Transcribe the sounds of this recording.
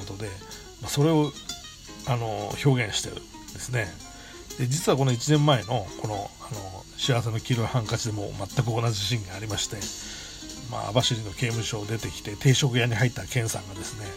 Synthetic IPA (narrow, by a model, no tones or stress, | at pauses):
ot̪o̞d̪e̞ | maso̞ɾe̞o̞ | ano̞ço̞ːɡẽ̞ɰ̃ɕi̥t̪e̞ɯ̟̰ | d̪e̞sɨne̞ | d̪̥e̞d͡ʑit͡sɨβako̞no̞it͡ɕinẽ̞mːae̞no̞kʰo̞no̞ano̞ | ɕiaβs̬e̞no̞kʲiɾo̞ihãŋkat͡ɕid̪e̞mo̞̰mat̪ːakɯ̟onad͡ʑiɕĩŋɡaːɾʲimaɕi̥t̪e̞ | ma̰a̰baɕiɾinːo̞ke̞ːmɯ̟ɕo̞ːd̪e̞t̪e̞kʲi̥t̪e̞t̪e̞ːɕokɯ̟jaɲ̟iɦait̪ːakẽ̞ɰ̃sã̰ŋɡad̪esɨne̞